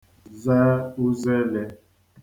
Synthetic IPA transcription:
za˦u˦zɛ˦lɛ˦

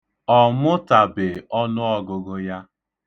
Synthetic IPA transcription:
ɔ˨mʊ˦ta˨bɪ˨ɔ˦nʊ˦ɔ˦ɡʊ˨ɡʊ˦ja˦

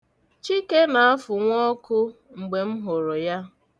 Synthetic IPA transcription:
t͡ʃi˦ke˦na˨a˦fʊ˨ŋʷɔ˦kʊ˦ | ŋ͡m̩˨ɡ͡be˨m̩˦ɦo˨ɾo˨ja˦

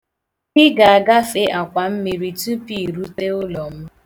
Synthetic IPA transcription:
kɪ˦ɡa˨a˨ɡa˦fe˦ʔa˨kʷa˨m̩˦mi˨ɾi˨tu˦pi˦˨ɾu˦te˦ʊ˦lɔ˨m̩˦

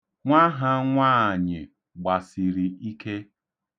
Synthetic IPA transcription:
ŋʷa˦ɦa˦ŋʷaː˦˨ɲɪ˨ | ɡ͡ba˨si˨ɾi˨i˦ke˦

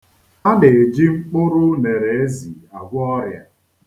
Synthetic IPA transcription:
a˦dɪ˨e˨d͡ʒi˦ŋ͡m̩˦k͡pʊ˦ɾʊ˦ne˨ɾe˨e˦zḭ˨a˨ɡʷʊ˦ɔ˦ɾja̰˨

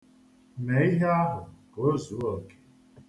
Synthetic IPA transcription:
me˨˦i˦ɦe˦a˦ɦʊ˨ko˨o˦zu˨˦ɔ˨ke̥˨

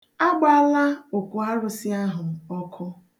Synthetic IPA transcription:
a˦ɡ͡ba˦la˦o˨kʷu˨a˦ɾʊ˨si˦a˦ɦʊ˨m̩˨ɔ˦kʰʊ˦

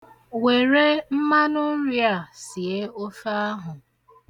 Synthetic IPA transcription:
we˨ɾe˦m̩˦ma˦nʊ˦n̩˦ɾja˨si˨e˦o˦fa˦a˦ɦʊ˨

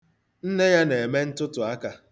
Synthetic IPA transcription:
n̩˦ne˦ja˦ne˨e˨me˦n̩˦tʊ˦tʊ˨a˦ka˨

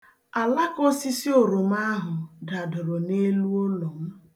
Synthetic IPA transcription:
a˨la˦ko˦si˦si˦o˨ɾo˨m˦a˦ɦʊ˨da˨dʊ˨ɾo˨ne˦lu˦o˦lo˨m̩˦

